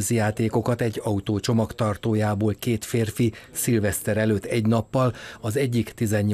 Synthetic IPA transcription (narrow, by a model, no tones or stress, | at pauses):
zjaːt̪eːko̞kɒt̪ɛɟːɒut̪oːt͡ʃo̞mɒkt̪ɒrt̪oːjaːboːlkeːt̪feːrfisilvɛst̪ɛɾɛløːt̪ːɛɟnɒpːɒlɒzɛɟːikt̪izɛɲː